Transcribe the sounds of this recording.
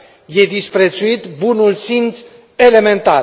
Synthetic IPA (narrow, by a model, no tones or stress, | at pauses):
jed̪ispɾet͡suit̪bunulsins | elemẽnt̪a